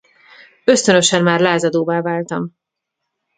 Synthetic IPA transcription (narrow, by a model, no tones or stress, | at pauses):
ø̞st̪ø̞nø̞ʃɛmmaːrlaːzɒd̪oːvaːvaːlt̪ɒm